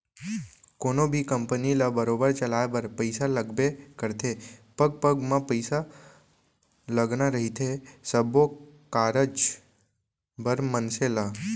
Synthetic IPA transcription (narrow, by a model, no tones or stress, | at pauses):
konobʱikəmpənilabəɾobəɾt͡ʃəlabəɾpəɪsaləɡbekəɾt̪ʰepəɡ̚pəɡmãpəjsa | ləɡnaɾəɦit̪ʰesəbʱokaɾəd͡ʒ | bəɾmənsela